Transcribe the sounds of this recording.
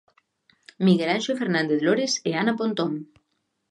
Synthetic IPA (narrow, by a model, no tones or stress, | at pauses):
miɣelanʃofeɾnãnd̪eθloɾeseanapont̪oŋ